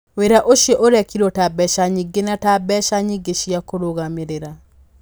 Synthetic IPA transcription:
weɾaʔoʃjɔʔoɾɛkiɾɔtabɛʃaɲiɡenatabɛʃaɲiɡeʃiakoɾoɣameɾeɾa

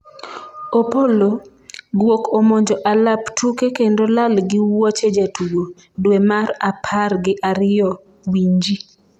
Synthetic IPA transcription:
opolo | ɡwokomoɲd͡ʒɔʔalaptʰukekendolalɡɪwɔt͡ʃed͡ʒatʰuwo | dwemaɾapʰarɡɪʔaɾɪjɔ | wiɲd͡ʒi

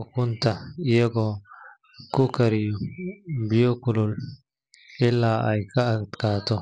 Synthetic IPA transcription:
kʊnt̪ɐɪjɐɡɔ | kʊkɐɾɪjɔbɪjɔkʊlʊl | ɪlːaːʔɐjkʰɐɐt̪kaːt̪ʰɔ

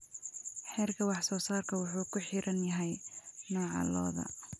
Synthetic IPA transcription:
ħɛːrkʰɐwɑħsɔːsaːrkʰɐwʊħuːkʰʊħɪɾʔɐnjɐɦɛjnɔːʕɑ̰lɔ̰ːðɐ̰

